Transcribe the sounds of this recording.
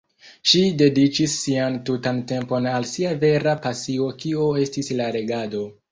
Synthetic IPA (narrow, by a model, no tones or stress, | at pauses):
ʃide̞dit͡ʃisːiantutante̞mpo̞nalsiave̞ɾapasio̞kioe̞stislaɾe̞ɡado̞